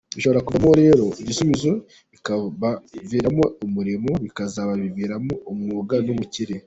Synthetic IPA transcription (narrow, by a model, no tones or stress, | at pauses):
βiʃo̞βoɾakuβamoɾe̞ːɾo̞iɟisuβizo | ikaβaviːɾamo̞umuɾimoβikazaβaβiviɾamo̞umŋuːɡanomuciɾe